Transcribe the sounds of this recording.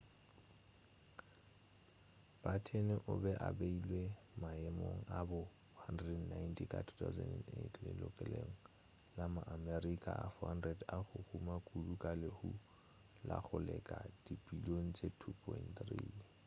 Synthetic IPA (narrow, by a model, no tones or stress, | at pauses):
b̥atʰenɪʔʊbɛʔabeilwe | maɛmoŋ̩abʊ | handrɛɛdn̩najntʰikʼatʰu̥t̪ʰauzɛnɛndetʰlɪlʊkʼɛleŋ̩ | lamaʔamɛrikʼaʔafɔhandrɛdaχʊhumakʼulukʼalɪhu | la̰χʊlɛkʼad̥ipʼiloŋ̩t͡sʼetʰupʰɔintt̪riː